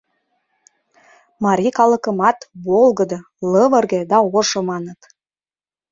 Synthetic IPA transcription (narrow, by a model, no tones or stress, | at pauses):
mɑɾʲikɑlə̆kə̆mɑt̪bolˠɣə̆d̪ɤ | ləvə̆rɡed̪ɑoʃɤ̆mɑnə̆t̪